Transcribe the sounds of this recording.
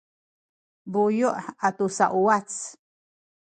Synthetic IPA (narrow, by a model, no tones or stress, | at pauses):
bujuʔat̪usaʔuat͡s